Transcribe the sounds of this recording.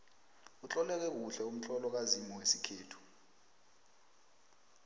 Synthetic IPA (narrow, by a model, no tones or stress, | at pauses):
ut͡ɬʼɔlɛk̬ɛk̬uɬɛum̩t͡ɬʰɔlɔk̬azimɔwesikʰeːtʰu̥